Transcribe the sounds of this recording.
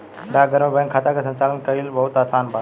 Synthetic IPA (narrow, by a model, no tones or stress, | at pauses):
ɖaːɡʱəɾmẽbə̃ŋkʰaːt̪akʰesɐ̃nt͡ɕaːlənkɐilbɐɦʊt̪aːsaːnbʱaː